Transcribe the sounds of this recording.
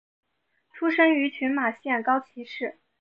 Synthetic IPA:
ʈ͡ʂʰu˥ʂɤ˥ŋy˧˥t͡ɕʰy˧˥nma˨˩ɕjɛ˥˩nkɑ˥ʊt͡ɕʰi˧˥ʂɻ̩˥˩

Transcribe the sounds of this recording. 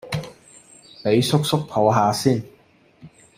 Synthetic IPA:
pe˨˧jsʊ˥k̚sʊ˥k̚pʰo˨˧wɦaː˨˧siː˥˩n

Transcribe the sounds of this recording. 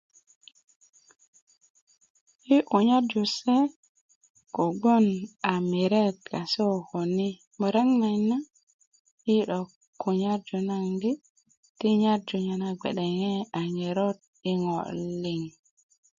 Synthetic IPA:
i˦ʔu˨ɲa˦d͡ʒu˨sɛ˦ | ko˨ɡ͡bo˦na˨mi˨ɾe˦t̪̚ka˨so˦˨ho˨ni˦ | mo˨ɾa˦ŋna˨jna˦ | i˦ɗɔ˨ | kːu˨ɲa˦ɾd͡ʒu˨na˨ŋɡi˦ | ti˦ɲa˦ɾd͡ʒu˨ɲa˨na˨ɡ͡bḛ˨ɗɛ˨ŋɛ˦a˨ŋe˨ɾo˦t̚ | i˦ŋɔ̰˨li˨ŋ

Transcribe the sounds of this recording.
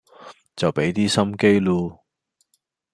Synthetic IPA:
t͡sɐ˨wpe˨˥jt̪iː˥sɐ˥mke˥jluː˧

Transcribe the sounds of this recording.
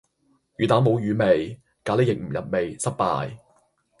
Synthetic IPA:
jyː˨t̪aː˨˥mo˨˧wjyː˨˧me˨j | kaː˨˥le˥jɪ˨k̚m̩˨˩jɐ˨˩t̚me˨jsɐ˥t̚pa̰ː˧j

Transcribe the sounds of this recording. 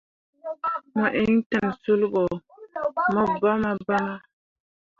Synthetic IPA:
ma˨ʔe˦ŋ˦tə˨msu˦lbɔ˨ | mɔ˨ba˦ma˦ba˦ma˦

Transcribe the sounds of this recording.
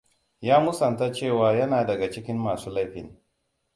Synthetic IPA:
jaː˦mʊ˦sɐ˨nta˦t͡ʃeː˦˨waː˨jɐ˦naː˨dɐ˨ɡa˨t͡ʃɪ˦kʲɪ˦mːaː˨suː˦la˦jɸɪ̰˨n

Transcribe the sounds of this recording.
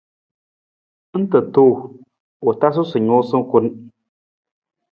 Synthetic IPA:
n̩˦tɨ˨toː˦˨ | o˨ta˦s̬ʊ˦sʊ˨ɲo˦sɨ˦ŋ˦kʊ˦n˦

